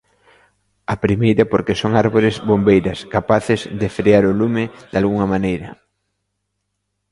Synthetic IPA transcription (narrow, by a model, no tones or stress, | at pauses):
ɐpɾimejɾɐpoɾkesoŋaɾβoɾɪzβombejɾɐskapaθɪzðɪfɾeaɾʊlumɪd̪̥alɣuŋɐmãnejɾɐ̰